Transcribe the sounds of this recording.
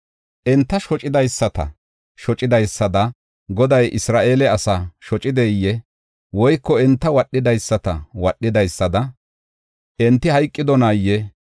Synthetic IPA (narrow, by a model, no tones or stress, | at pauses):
ʔɛnt̪ːɐʃɔt͡ʃʼɪd̪ɐjsːɐt̪ɐ̰ | ʃɔt͡ʃʼɪd̪ɐjsːɐd̪ɐ | ɡɔd̪ɐjʔɪsɾaːʔe̞ːlɛɐsɐʃɔt͡ʃʼɪd̪ɛjːɛ | wɔjkːɔɛnt̪ːɐwɐɗːɪd̪ɐjsːɐt̪ɐwɐɗːɪd̪ɐjsːɐd̪ɐ | ʔɛnt̪ːɪhɐjkʼːɪd̪ɔnaːjːɛ